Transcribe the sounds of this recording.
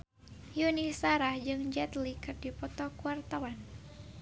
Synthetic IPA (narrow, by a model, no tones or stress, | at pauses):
junisaɾahd͡ʒɨŋd͡ʒɛt̪likɨrdipɔt̪ɔkuart̪awan